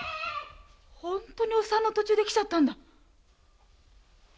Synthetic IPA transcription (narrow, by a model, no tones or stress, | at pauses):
hõ̞nt̪o̞ɲ̟iosanːot̪o̞t͡ɕɨːd̪e̞kʲi̥t͡ɕat̪ːãnd̪a